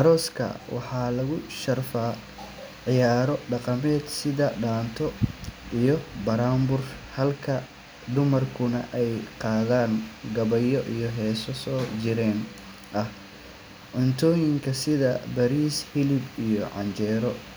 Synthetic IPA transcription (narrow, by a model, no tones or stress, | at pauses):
ʔɐɾɔːskʰɐ̰wɑ̰ħɑːlɐɣʊʃɐrfaː | ʕɪjaːɾɔɖɑqɑmɛːd̪sɪðɐɖaːnt̪ʰɔijɔbɐɾaːmbʊrhɐlkʰɐ | ɖ̪ʊmɐrkʰʊnɐʔɛjqɑːðaːnɡɐβɐjɔʔijɔɦɛːsɔsɔːt͡ʃɪɾɛːn | ʔɐh | ʕʊnt̪ʰɔːjɪŋkʰɐsɪðɐbɐɾiːshɪlɪbijɔʕɑ̰nt͡ʃɛːɾɔ